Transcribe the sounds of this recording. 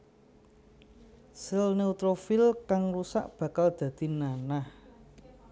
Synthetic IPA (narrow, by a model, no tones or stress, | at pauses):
səlneut̪ɾofilkaŋrusa̰ʔb̥ä̤kald̪̥ä̤d̪̥i̤nanah